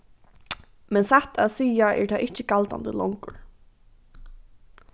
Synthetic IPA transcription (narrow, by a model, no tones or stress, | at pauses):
mɛnsaht̪ʰaðsiːaʔɛ̰ɹt̪ʰaʔɪhcɪkalt̪a̰nd̪əlɔŋkʊɹ